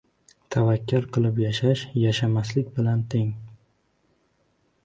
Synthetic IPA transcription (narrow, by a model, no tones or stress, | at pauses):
t̪ʰavakʲʰːaɾqʰɨlˠɪpjaʃaʃjaʃamaslɪkʲbɪlant̪ʰeŋ